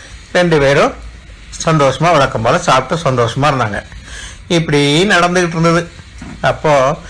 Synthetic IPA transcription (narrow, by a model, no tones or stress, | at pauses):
ɾɛɳɖɯpeːɾɯ̃ | sɐnd̪oːʂɐmaːʋɐɭɐkːɐmboːlɐsaːp̚t̪ːɯsɐnd̪oːʂɐmaːɾɯnd̪a̰ːŋɡɐ | ɪpːɐɽinɐɽɐnd̪ɯkɪʈːɯɾɯnd̪ɐðɯ | ɐpːoː